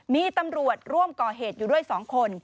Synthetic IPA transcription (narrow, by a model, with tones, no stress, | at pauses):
miː˧t̪a˧mɾu˨˩ət̪̚ɾu˥˩əmkɔː˨˩ɦeː˨˩t̪̚juː˨˩du˥˩əjsɔː˩˦ŋkʰo˧n